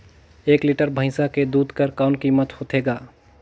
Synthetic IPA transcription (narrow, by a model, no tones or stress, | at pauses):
ekliʈəɾbʱə̃ɪ̃saked̪ud̪ʱkəɾkaʊnkimət̪hot̪ʰeɡa